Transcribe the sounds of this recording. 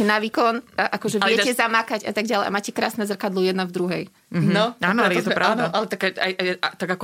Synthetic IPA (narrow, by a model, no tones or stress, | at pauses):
ɛnaʋiːkɔnʔakɔʒɛʋlɪjɛcɛzamakaɟa̰t̪aɡ̚ɟalɛɪjʔa̰maːcɛkɾa̰ːsnɛzr̩kad̪lujɛd̪navd̪ɾuɦɛj | nɔaːnɔljɛɔɛpɾanɔaʔalɛt̪akaajʔajat̪aɡakɔ